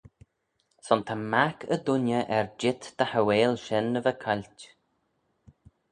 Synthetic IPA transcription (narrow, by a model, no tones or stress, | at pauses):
sɔnt̪ʰamakʰə̰d̪ʊnjəʔɛɹd͡ʒɪt̪d̪̥əhəweːlʃɛnːəvəkʰalʲt